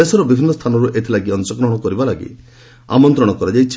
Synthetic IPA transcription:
esɔɾɔbibʱinːɔst̪ʰanɔɾuʔet̪ʰilaɡiɔnt͡ʃɔɡɾɔɦɔɽ̃ɔkɔɾibalaɡḭ | a̰mɔnt̪ɾɔɽ̃ɔkɔɾad͡ʒajt͡ʃʰ

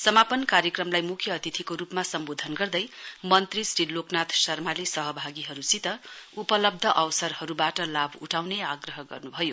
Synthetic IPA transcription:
sʌmapʌnkaɾjʌkrʌmlajmukʰjʌːt̪it̪ʰikoɾupmasʌmbod̪ʱʌnɡʌrd̪ʌjmʌnt̪risriloknat̪ʰsʌrmalesʌɦʌbʱaɡiɦʌɾusit̪ʌupʌlʌb̚d̪ʱʌʔʌwsʌrhʌɾubaʈʌlabʱuʈʰawneaɡrʌɦʌɡʌ̰rnubʱʌjo

